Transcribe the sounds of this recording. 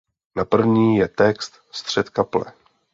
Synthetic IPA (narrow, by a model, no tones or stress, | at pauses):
napr̩vɲiːjɛt̪ɛkst̪ | st̪r̝̥ɛt̪kaplɛ̰